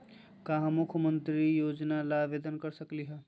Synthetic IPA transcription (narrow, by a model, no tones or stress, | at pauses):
kaɦmukʰəmənt̪ɾijod͡ʒnalaʋed̪ənkəɾsəkliɦɛ